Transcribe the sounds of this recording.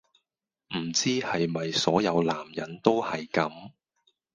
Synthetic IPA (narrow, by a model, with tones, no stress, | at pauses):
m̩˨˩t͡siː˥hɐ˨jmɐ˨jsɔː˨˥jɐ˨˧wlaː˨˩mjɐ˨˥nt̪o˥whɐ˨jkɐ˨˥m